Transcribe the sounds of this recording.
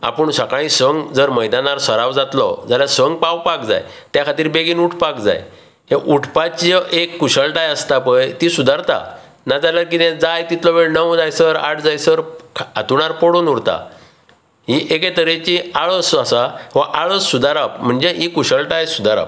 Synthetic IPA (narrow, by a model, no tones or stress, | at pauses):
a̰pəɳsəkãĩsəŋɡd͡zəɾməjd̪anaɾsəɾaʋd͡zat̪lɔ̰d͡zaljasəŋɡ̚pawpak̚d͡za̰jt̪jakʰat̪iːɾbeɡiːnuʈʰpakd͡za̰j | ɦeʔuʈʰpat͡ɕʔekːuɕəlʈajəst̪apəjt̪isud̪ʱaɾt̪a̰ | nad͡zalaɾk̬it̪ɛ̃d͡zajt̪it̪lɔʋeɭnəʋd͡zajsəɾa̰ʈʰd͡zajsəɾkʰa̰t̪uɽaɾpɔɽunuɽt̪a̰ | ɦiʔek̬et̪əɾẽt͡ɕĩaɭəsəsaɦɔ̃ʔaɭəsːud̪aɾapm̤əɳd͡zeɦikuɕəlʈajsud̪aɾa̰p